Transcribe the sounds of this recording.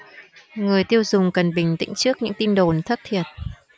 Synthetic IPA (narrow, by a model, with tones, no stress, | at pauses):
ŋɨ˨˩əjt̪i˧əwzʊ˨˩ŋ͡mkə˨˩nɓï˨˩ŋ̟t̪ḭ̈˧˥ŋ̟t͡ɕɨ˦˥ək̚ɲɨ̰˧˥ŋt̪i˧nɗo˨˩nt̪ʰə˦˥t̚t̪ʰi˨˩ət̚